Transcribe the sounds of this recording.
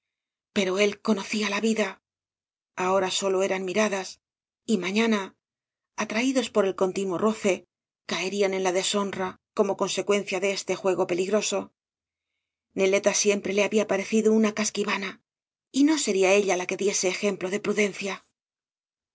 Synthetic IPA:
pe̞ɾo̞e̞lko̞no̞θialaβiða | ao̞ɾaso̞lo̞e̞ɾanmiɾaðas | imãɲãnaː | t̪ɾaiðo̞spo̞ɾe̞lko̞nt̪inwo̞rʔo̞θe̞ | kaeɾiane̞nlaðe̞so̞nrako̞mo̞ko̞nse̞kwe̞n̟θjaðe̞est̪e̞xwe̞ɣo̞pe̞liɣɾo̞so̞ | ne̞le̞t̪asje̞mpɾe̞le̞aβiapaɾe̞θiðounakaskiβana | ino̞se̞ɾiae̞ʎalake̞ðje̞se̞ːxe̞mplo̞ðe̞pɾuðe̞nθja

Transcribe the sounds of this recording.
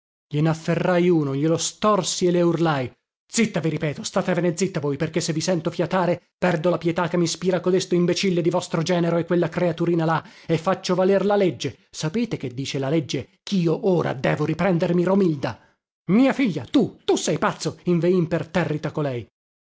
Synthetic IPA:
ʎenafːerːajuːnoʎelost̪ɔrsieleurlaj | d̪z̥it̪ːaviɾipɛːt̪ost̪aːt̪evened̪zːit̪ːavoːjperkesːevisɛnt̪ofjat̪aːɾe | pɛrd̪olapjɛt̪akːemːispiːɾakod̪est̪oimbet͡ʃilːed̪ivɔst̪ɾod͡ʒɛːneɾoekːwelːakɾeat̪uɾiːnalaefːat͡ʃːovalerlaled͡ʒːe | sapeːt̪ek̟ed̪ːiːt͡ʃelaled͡ʒːe | k̟ʰiːoʔoːɾa̰d̪ɛːvoɾipɾɛnd̪ermiɾomild̪a | miːafiʎːat̪ut̪usɛjpat̪sːoiɱveimpert̪ɛrːit̪akolɛj

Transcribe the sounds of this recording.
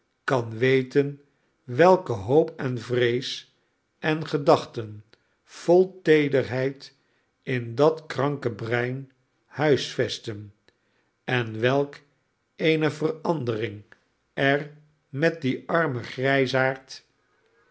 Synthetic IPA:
kɑnʋejtən | ʋɛlˠkəɦowpɛnvrejs | ʔɛnχədɑχtən | v̥olˠtejdərɦɛjt | ɪndɑtkrɑŋkəbrɛjn | hœɥsfɛstən | ɛnʋɛlˠk | ejnəvərɑndərɪŋ | ɛr | mɛt̚diɑɹməχrɛjsaːɹt

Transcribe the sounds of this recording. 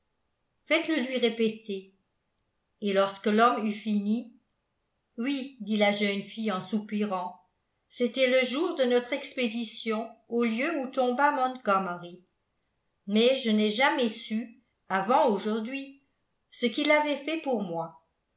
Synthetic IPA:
fɛt̪ləlɥiʁepet̪e | elɔʁskəlɔmyfini | wid̪ilaʒœnfijɑ̃supiʁɑ̃ | set̪ɛləʒuːʁd̪ənɔt̪χɛksped̪isjɔ̃oljøut̪ɔ̃bamɔ̃nt̪ɡɔmʁi | mɛʒənɛʒamɛsy | avɑ̃oʒuʁd̪ɥi | səkilavɛfɛpuʁmwa

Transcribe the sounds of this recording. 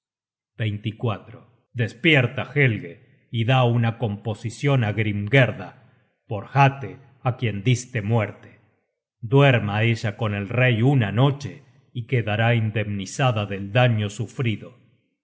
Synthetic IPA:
b̥ejnt̪ikwat̪ɾo | d̪espjeɾt̪axelɣe | iðaunako̞mpo̞sisjo̞naɣɾimɡeɾða | po̞ɾxat̪e | akjend̪ist̪emweɾt̪e̥ | d̪weɾmaeʒako̞ne̞lrejunano̞t͡ʃe | ikeðaɾaind̪emnisaðaðeld̪aɲo̞sufɾiðo

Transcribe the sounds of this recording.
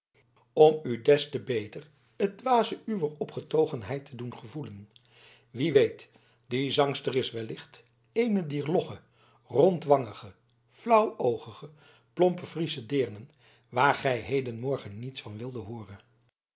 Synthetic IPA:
ɔmydɛstəbejtər | ət̚dʋaːzəyʋəɹɔpχətowχənɦɛjtʰədunχəvulən | ʋiʋejt | dizɑŋstərɪsʋɛlɪχt | ejnədiːɹlɔχə | rɔntʋɑŋəχə | flʌwowχəχə | plɔmpəfrisədɪːɹnən | ʋaːɹχɛjɦejdənmɔɹχənːitsfɑnʋɪlˠdəɦʊːrən

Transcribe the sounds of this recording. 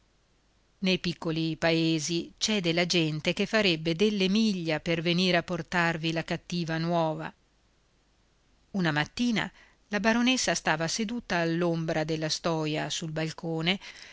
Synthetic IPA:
nejpikːolipaeːzit͡ʃɛːd̪elad͡ʒɛnt̪ekefːaɾebːed̪elːemiʎːaperveniːɾeapːort̪arvilakat̪ːiːvanwɔːva̰ | unamat̪ːiːna̰ | labaɾonesːast̪aːvased̪uːt̪aːlːombɾad̪elːast̪ɔːjasulbalkoːne

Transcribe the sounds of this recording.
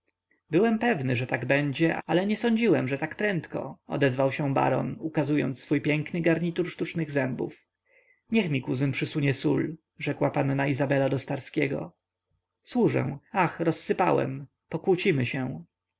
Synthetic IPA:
bɘwɛmpɛvnɘʐɛt̪aɡbɛɲd͡ʑɛʔalɛɲɛsɔɲd͡ʑiwɛmʐɛt̪akpɾɛnt̪kɔ̰ɔ̰d̪ɛzvawɕɛ̃ba̰ɾɔ̰nukazujɔ̰nt̪sfujpʲjɛŋknɘɡaɾɲit̪uɾʂt̪ut͡ʂnɘɣzɛmbṵf | ɲɛxmʲikuzɘmpʂɘsuɲɛsul | ʐɛkwapanːaizabɛlad̪ɔst̪aɾskʲɛɡɔ̰ | swuʐɛ̰w̃axɾɔsːɘpa̰wɛ̰m | pɔkwut͡ɕimɘɕɛ̃

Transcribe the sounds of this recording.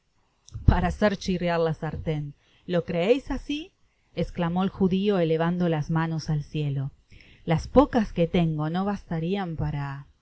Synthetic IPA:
paɾaseɾt͡ʃirjaɾlasaɾt̪en | lo̞kɾe̞ejsasi | esklamo̞elxuðio̞ele̞β̞and̪o̞lazmano̞salsje̞lo̞laspo̞kaske̞t̪e̞ŋɡo̞no̞β̞ast̪aɾiampaɾa

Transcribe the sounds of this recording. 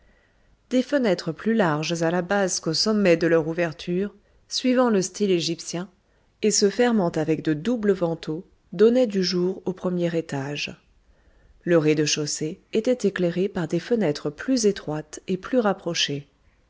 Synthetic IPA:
d̪̥efənɛt̪χəplylaʁʒzalabazkosɔmːɛd̪əlœʁuvɛʁt̪ʰyʁ | sɥivɑ̃ləst̪ileʒipsjɛ̃ | esəfɛʁmɑ̃t̪avɛkd̪əd̪ubləvɑ̃t̪ʰo | d̪ɔnɛd̪yʒuʁopχəmjɛʁet̪aʒ | ləʁed̪əʃoseet̪ɛt̪ekleʁepaʁd̪efənɛt̪χəplyzet̪χwat̪eplyʁapχɔʃe

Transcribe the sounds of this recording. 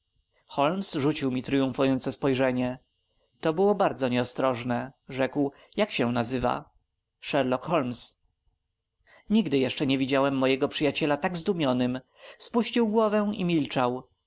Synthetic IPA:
xɔlmsʐut͡ɕiwmʲit̪ɾɘjũfujɔnt̪sɛspɔjʐɛɲɛ | t̪ɔbɘwɔbaɾd̪zɔɲɛɔst̪ɾɔʐnɛʐɛkw | jakɕɛ̃nazɘva̰ | ʂɛɾlɔkxɔlms | ɲiɡd̪ɘjɛʂt͡ʂɛɲevʲid͡ʑawɛmːɔjɛɡɔpʂɘjat͡ɕɛlat̪aɡzd̪umʲjɔnɘm | spuɕt͡ɕiwɡwɔvɛw̃imʲilt͡ʂaw

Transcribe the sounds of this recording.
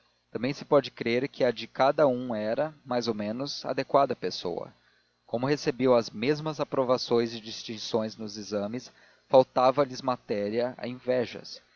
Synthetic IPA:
t̪ɐ̃mbẽj̃sɪ̥pɔd͡ʒɪkɾeɾkɪɐd͡ʒɪkad̪ɐũɛɾɐmajzowmẽnʊza̰d̪ekwad̪ɐpeso̰wɐ̰ | kõmʊhesebiwɐzmezmɐzapɾovasõj̃zɪd͡ʒist͡ʃĩŋsõj̃znʊzizɐ̃mɪs | fawt̪avɐlɪzmat̪ɛɾiɐa̰ẽvɛʒɐ̰s

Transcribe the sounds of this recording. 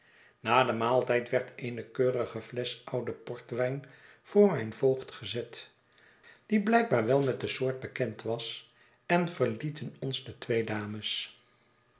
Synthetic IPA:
naːdəmaːlˠtɛjtʋɛɹtʰeɪnəkøːrəχəvlɛsʌwdəpɔɹtʋɛjn | v̥ʊːɹmɛjnvowχtχəzɛt | d̥iblɛjk̚baːɹʋɛlˠmɛt̚dəsʊːɹt̚bəkɛntʋɑs | ɛnvəɹlitənɔnzdətʋejdaːməs

